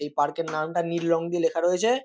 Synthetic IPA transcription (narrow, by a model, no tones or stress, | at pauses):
ejpaɾkeɾnamʈaniɾlɔŋd̪ielekʰaɾoet͡ɕʰe